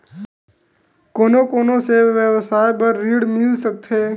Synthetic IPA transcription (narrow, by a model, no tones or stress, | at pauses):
konokonoseʋʋjəʋsajbəɾːiɽmɪlʃək̚t̪ʰe